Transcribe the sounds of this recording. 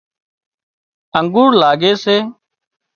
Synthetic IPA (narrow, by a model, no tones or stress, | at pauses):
əŋɡuːɾlaːɡeːseː